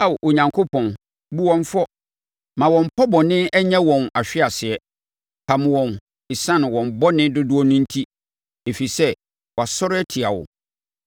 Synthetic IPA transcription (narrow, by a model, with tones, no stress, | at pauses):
a˦wʔo˨ɲã˨ŋkʰo˦pʰɔ̃˨n | bu˦wɔ̃˦ɱfɔ˦ | mã˨wɔ̃˨m˨pʰɔ˦bɔ̃˨nɪ̃˦ɛ˦ɲã˦wɔ̃˨na˨ɕᶣɪ˦a˨sɪ˨ɛ˦ | pʰa˨m̃˨wɔ̃˨n | ɪ˨sã˦ñ˨wɔ̃˨m˨bɔ˦nɪ̃˦dʊ˦dʊ˦ɔ˦nʊ̃˦n̩˦tʰi˦ | e˨fi˨sɛ˦ | wɔ˨a˨sɔ˦ɾɛ˦tʰɪ˨a˨wʊ̰˨